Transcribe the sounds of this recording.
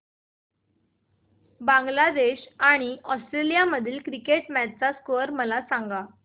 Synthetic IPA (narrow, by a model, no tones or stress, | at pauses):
bãŋɡlad̪eɕaɽ̃iʔɔsʈɾelijaməd̪ʱiːlkɾikeʈmatt͡saskəɾməlasãŋɡa